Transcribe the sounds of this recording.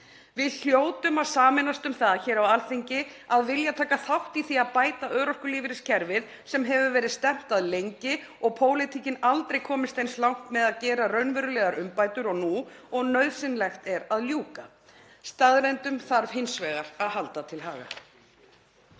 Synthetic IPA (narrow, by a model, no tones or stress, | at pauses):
vɪðl̥joːwt̪ʏmaðsaːmɛnast̪ʏmθaðçɛːɾawalθiɲcɪaðvɪljat̪ʰaːkaθawht̪iθiaðpaːjt̪aʔœːɾɔskʏliːvɪɾɪscʰɛɾvɪð | sɛmɦɛvʏvɛːɾɪðst̪ɛm̥t̪aðlejɲcɪ | ɔɣpʰoːwlɪt̪ʰicɪnalt̪ɾejkʰɔːmɪst̪ejnslawŋ̥t̪mɛðaðcɛːɾarœɥnvɛɾʏlɛːɣaɾʏmpaːjt̪ʏɾɔɣnuɔɣnœɥðsɪnlɛxt̪ɛɾaðljuːka | st̪aðɾejnt̪ʏmθaɾv̥hɪnsvɛːɣaɾ̥aðɦalt̪at̪ʰɪlɦaːɣa̰